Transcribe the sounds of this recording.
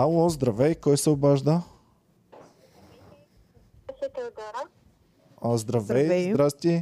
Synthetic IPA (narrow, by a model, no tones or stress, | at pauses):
alˠɔzd̪ɾɐvɛjkɔjsɛʊbaʒd̪a | sɛt̪ɡɔɾ | azd̪ɾavɛj̪d̪ɾast̪ʲi